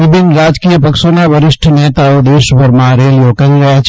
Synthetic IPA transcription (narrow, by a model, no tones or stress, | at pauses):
ʋɪbʱɪnɾaːd͡ʒkijəpəkʃonaʋəɾɪʃʈʰənet̪aod̪eːʃbəɾmãɾelijokɐɾiɾɐɦjat͡ʃʰ